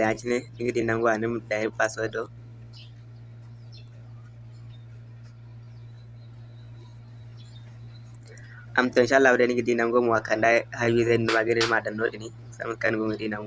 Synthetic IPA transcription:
a˨t͡ʃi˦nɛ˦ni˦ɡi˦di˨˦na˨mɡɔ˦wa˨ni˦mda˨i˦pːa˨sɔ˦ɛ˦dɔ˦ | ʔa˨mtɔ˨inʃa˦lːa˦˨wda˦ni˦ŋɡi˨di˦na˨mɡɔ˦mu˨wa˨ka˨nda˦ha˦wi˦ze˦ndu˨ma˨ɡi˦ɾi˦ɾma˨da˨nːo˦ɗi˨ni˦ | sa̰˦mu˦ka˨n˦ɡu˦ɡi˨di˦na˨ŋ

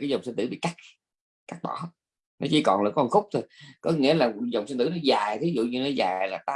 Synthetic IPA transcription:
kaː˨˦jzə˨˩wŋ͡msə˧nt̪ɨ˧˥ɓḭ˧˨ka˦˥k̚ | ka˦˥k̚ɓɔ˧˩ | nɔ˨˦t͡ɕi˧˦kɔ˨˩nlə̰˨˩kŋxʊ˦˥k͡p̚t̪ʰo˨˩jkɔ˨˦ŋḭ˧˥əlaː˨˩zə˨˩wŋ͡msə˧nt̪ɨ̰˧˥˦nɔ˨˦zaː˨˩jt̪ʰi˨˦zṵ˧˨ɲɨ˧nɔ˨˦zaː˨˩jlaː˨˩t̪aː˦

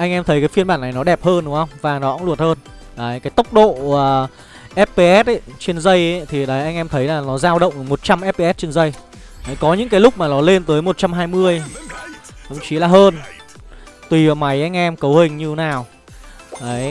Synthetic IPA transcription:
ʔa˧jŋ̟ʔɛ˧mt̪ʰə˨˦jkaː˨˦jfi˧ənmɓaː˧˩na˨˩jnɔ˨˦ɗɛ˨˩p̚həː˧nɗʊ˨˦hə˧wŋ͡mvaː˨˩nɔ˨˦kŋ͡mlu˨˩ət̚həː˧n | ʔaəː˨˦jkaː˨˦jt̪ə˦˥wk͡p̚ɗo̰ː˧˨˩ | ʔɛ˦˥p̚pe˧ʔɛ˦˥t̚ʔə˦t͡ɕe˧nzə˧jə˨˦t̪ʰi˨˩ɗə˨˦jʔa˧jŋ̟ʔɛ˧mt̪ʰə˨˦jlaː˨˩nɔ˨˦zaː˧wɗə̰˧˨wŋ͡mmo˨˩t̚t͡ɕa˧mʔɛ˦˥p̚e˧ʔɛ˦˥t̚t͡ɕe˧nzə˧j | ʔə˨˦jkɔ˨˦ɲɨ̰˧˥ŋkaː˨˦jlʊ˦˥k͡p̚maː˨˩nɔ˨˦le˧nt̪əː˨˦jmo˨˩t̚t͡ɕa˧mɦaː˧jmɨ˧əj | t̪ʰə̰˧˨ŋ͡mt͡ɕi˨˦laː˨˩hɦəː˧n | t̪wi˨˩vaː˨˩ma˨˦jʔa˧jŋ̟ʔɛ˧mkə˨˦whï˨˩ŋ̟ɲɨ˧naː˨˩w | ʔəː˨˦j

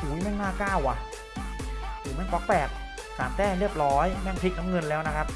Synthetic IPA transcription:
suː˩˦ma˧˥˩naː˥˩kaː˥˩wʔa˨˩ʔ | duː˨˩ma˧˥˩kɔ˦˥k̚pɛː˨˩k̚ | saː˩˦mt̪ɛː˥˩ɾi˥˩əp̚ɾɔː˦˥jmɛ˥˩ŋt̪ʰi˦˥k̚na˦˥mŋɤ˧nlɛː˦˥wna˦˥kʰa˦˥p̚

